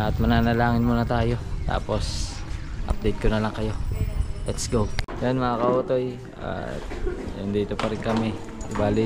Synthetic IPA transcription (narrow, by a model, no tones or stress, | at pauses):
ʔɐt̪̚mɐnaːnɐlaːŋɪnmuːnɐt̪aːjo̞t̪a̰ːpo̞s | ʔɐ̰p̚d̪ejt̪̚konɐlɐŋkɐjo̞lɛt̪sɡowjanmɐŋakɐoːt̪o̞j | a̰t̪̚jʊnd̪iːt̪opɐɾɪnkɐmɛ | ɪbaːlɪ